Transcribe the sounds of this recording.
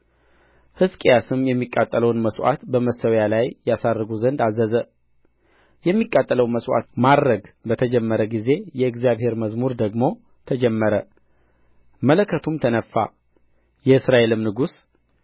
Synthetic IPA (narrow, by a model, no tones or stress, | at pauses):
hɨskʼjasɨmjɛmːikʼːat̪ʼːələwnməswa̰t̪bəməsəwjalajjɛjasad̪ːɨɡuzənd̪azəzə | jɛmːikʼːat̪ʼːələwməswa̰t̪mad̪ɾəɡbət̪ʰəd͡ʒɛmːəɾəɡize̞jɛɨɡzijaβhe̞ɾməzmuɾd̪əɡmo̞ | t̪ʰəd͡ʒɛmːəɾə | mələkʰːət̪ʰumt̪ʰənəfːa̰ | jɛɨsɾaʔe̞lɨmnɨɡus